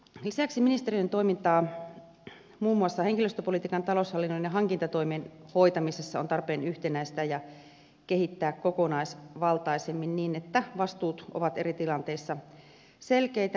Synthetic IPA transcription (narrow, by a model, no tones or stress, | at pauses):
lisæksiminist̪erient̪o̞imint̪ɑː | muːmːuɑsːɑheŋkiløst̪øpolit̪iːkɑnt̪ɑloshɑlːinːonjɑɦɑŋkint̪ɑt̪o̞imeːnho̞jt̪ɑmisesːɑont̪ɑrpeːnyht̪enæist̪æjɑ | kehit̪ːæːkkokonɑisʋɑlt̪ɑisemːinniːnet̪ːæʋɑst̪uːt̪o̰ʋɑt̪erit̪ilɑnt̪e̞isːɑ | selkeit̪æ